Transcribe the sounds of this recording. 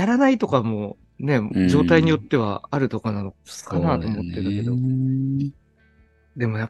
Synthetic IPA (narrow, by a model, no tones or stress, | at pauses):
jaɾanait̪o̞kamo̞ | ne̞d͡ʑo̞ːt̪aiɲ̟ijo̞t̪ːe̞β̞a̰aɾɯ̟t̪o̞kanano̞kskanaːt̪o̞ːmo̞t̪ːe̞ɾɯ̟ke̞d̪o̞ | d̪e̞mo̞ja